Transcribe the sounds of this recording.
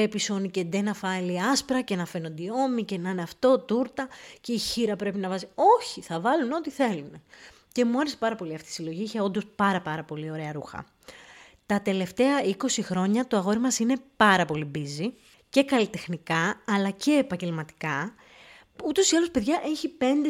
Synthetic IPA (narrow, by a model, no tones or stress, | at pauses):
episo̞nice̞d̪enɐfɐliɐspɾɐcenɐfe̞nond̪io̞mice̞nɐneɐft̪o̞t̪uɾt̪ɐce̞içiɾɐpɾe̞pinɐvɐzio̞çiθɐvɐluno̞t̪iθe̞lune̞ | ce̞muɐɾese̞pɐɾɐpo̞liɐft̪iisilo̞ʝiiçeo̞nd̪o̞spɐɾɐpɐɾɐpo̞lio̞ɾe̞ɐɾuxɐ̰ | t̪ɐt̪e̞le̞ft̪e̞ɐiko̞sixɾo̞ɲɐt̪oɐɣo̞ɾimɐsine̞pɐɾɐpo̞libizi | ce̞kɐlit̪e̞xnikɐːlɐce̞ːpɐɲɟe̞lmɐt̪i̥kɐ | ut̪o̞siɐlospe̞ðʝɐʔeçipe̞nd̪e